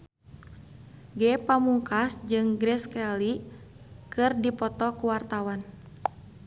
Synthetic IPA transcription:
ɡɛpamuŋkasd͡ʒɨŋɡɾɛskɛli | kɨrdipɔt̪ɔkuwart̪awan

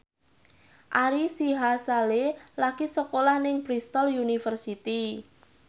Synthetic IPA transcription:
ʔaɾisiɦasalelakisəkolahnɪŋbɾist̪ɔljunifərsit̪i

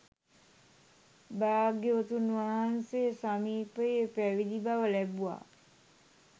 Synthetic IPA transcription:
baaɡeʋət̪unʋaɦansejəsamiːpəjepæʋid̪ibaʋəlæbua̰

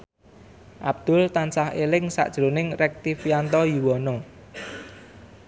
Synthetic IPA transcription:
ʔab̥̚d̪̥ʊ̤lt̪ansahelɪŋsa̰ʔd̥ʒ̥ɾonɪŋrɛk̚t̪ifjant̪ɔjiwɔnɔ

